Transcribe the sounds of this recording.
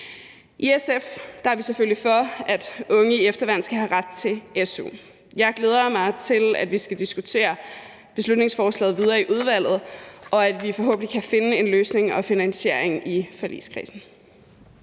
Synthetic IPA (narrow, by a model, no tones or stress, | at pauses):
ʔiesefd̥ɑʋiseføl̰lifɒ̽æd̥ɔ̽ŋəiefd̥ɐʋæn̰sɡ̥æɦæʁad̥̚t͡sʰe̝leso̝̰ | jɑ̈ɪɡ̥le̝ːð̞ˠɐmɑ̈ɪt͡sʰe̝læd̥ʋisɡ̥æd̥isɡ̥ut͡sʰe̝̰ːɐ | b̥e̝slud̥ne̝ŋsfɒːslɛ̰ːð̞̩ˠʋið̞ˠɐːiʔuð̞ˠʋæl̰ð̞̩ˠʔɒ̽æd̥ʋifɒ̽ɦɔ̰̽ːb̥ən̩dikʰæfe̝nəe̝nløːsne̝ŋɒ̽finænse̝̰ɐ̰eŋʔifælʔḭːskʰʁḭːsn̩